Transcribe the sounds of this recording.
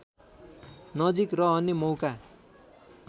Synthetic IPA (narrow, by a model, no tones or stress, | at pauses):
nʌd͡zikrʌɦʌnemʌwka